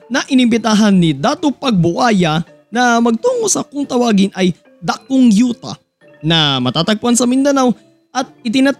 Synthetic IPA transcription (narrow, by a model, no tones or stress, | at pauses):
nɐʔɪnɪmbɪt̪aːɦɐnːid̪aːt̪opɐɡ̚bʊʔaːjɐ | nɐmɐɡ̚t̪uːŋosɐkʊŋt̪ɐwaːɡɪnʔɐj | d̪ɐk̚oŋjuːt̪ɐ̰ | nɐmɐt̪aːt̪ɐɡ̚pʊansɐmɪnd̪ɐnaw | ʔɐt̪̚ɪt̪ɪnɐ